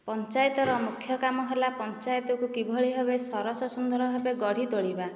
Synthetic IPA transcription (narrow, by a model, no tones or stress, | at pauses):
pɔnt͡ʃajɔt̪ɔɾɔmukʰjɔkamɔɦelapɔnt͡ʃajɔt̪ɔkukibʱɔɭiɦebesɔɾɔsɔsund̪ɔɾɔɦebeɡɔɽ̤ʱid̪oɭiba